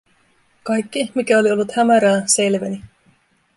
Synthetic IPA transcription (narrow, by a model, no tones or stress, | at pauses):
kɑjkːimikæo̞lio̞lːut̪hæmæɾæːse̞lʋæni